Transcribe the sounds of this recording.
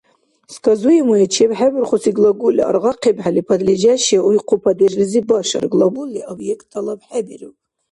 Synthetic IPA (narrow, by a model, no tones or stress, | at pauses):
skʰʼazujimujat͡ʃʰebħabɪrχʷʊsiɡlˠaɡulʲa̰a̰rʁɑqʰebħalipʰad̪lid͡ʒaʃaujqʰupʰad̪irɨzibaʂa̰rɡlabuliobjektʰʼalabħabirɨpʼ